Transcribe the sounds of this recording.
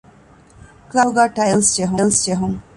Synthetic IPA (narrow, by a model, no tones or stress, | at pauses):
klawɡaːʈɐjlsd͡ʒeɦulsd͡ʒeɦuŋ